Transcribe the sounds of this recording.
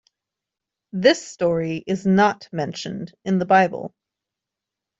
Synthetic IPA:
ðɪstɔɹiʔɪznət̚mɛ̃nʃɨ̰̃ndɨ̃nðəbaɪbə̰l̩ˠ

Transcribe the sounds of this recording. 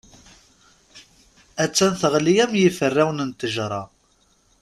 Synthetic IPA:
æt͡sːænθəʁlijæmjifərːæwnənt̪əʒɾˤɑ

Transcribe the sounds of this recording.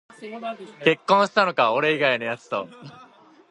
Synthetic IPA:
ke̞kːõɰ̃ɕi̥t̪ano̞kaoɾe̞iɡaino̞jat͡sɨ̥t̪o̞̰

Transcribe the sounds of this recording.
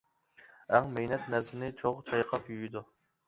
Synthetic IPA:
ɛŋmejnɛt̪næɾsɪnɪt͡ʃʰoʁt͡ʃʰɑjqʰɑpjyjid̪u

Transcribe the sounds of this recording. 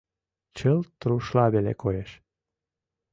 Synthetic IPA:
t͡ɕəlt̪ɾuʃlɑβelḛkojeʃ

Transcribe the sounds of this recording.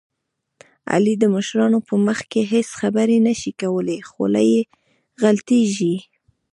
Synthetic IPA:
a̰lid̪əməʃɾɑnopəməxkeɦesxabəɾenaʃikawəlexo̰la̰je | ɣalt̪eʒi

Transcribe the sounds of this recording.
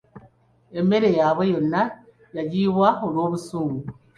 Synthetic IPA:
eme̞ɾe̞jaːβejona | jaɟiβwaolwo̞ːβusuːŋɡu

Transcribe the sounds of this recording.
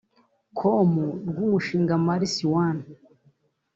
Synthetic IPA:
kʰomuɾɡumuʃiːŋɡamaɾisiwan

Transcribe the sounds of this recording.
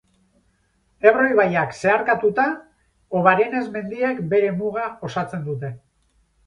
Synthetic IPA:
e̞βro̞jβajakse̞aɾkat̪ut̪a | o̞βaɾe̞ne̞zme̞nd̪iekbe̞ɾe̞muɣ̞ao̞sat͡se̞nd̪ut̪e̞

